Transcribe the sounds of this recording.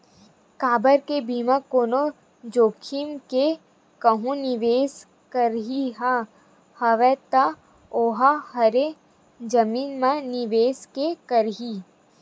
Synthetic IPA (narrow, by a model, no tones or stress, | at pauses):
kaːbəɾkebiːmãkoːno | d͡ʒoːkʰimke | kɐɦũnɪʋeːs | kəɾɦiɦa | hɐʋɛt̪ɐ | oːɦahɐɾe | d͡ʒɐmiːnmaniʋeːskekəɾɦiː